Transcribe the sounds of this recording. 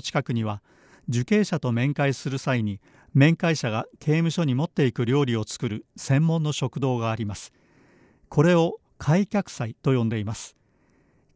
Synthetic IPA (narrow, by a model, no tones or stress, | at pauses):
t͡ɕi̥kakɯ̟ɲ̟iβa | d͡ʑɨke̞ːɕat̪o̞mẽ̞ŋkaisɨɾɯ̟saiɲ̟i | mẽ̞ŋkaiɕaɡakʰe̞ːmɯ̟ɕo̞ɲ̟imo̞t̪ːe̞ikɯ̟ɾʲo̞ːɾʲio̞t͡sɨ̥kɯ̟ɾɯ̟sẽ̞mːõ̞nːo̞ɕo̞kɯ̟d̪o̞ːɡaːɾʲimasɨ̥ | kʰo̞ɾe̞o̞ | kʰaikʲakɯ̟̥sait̪o̞jõ̞nd̪e̞imasɨ̥